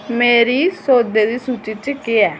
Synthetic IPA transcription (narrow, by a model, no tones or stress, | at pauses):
meːɾisoːd̪ed̪iːsut͡ʃit͡ʃkeɛː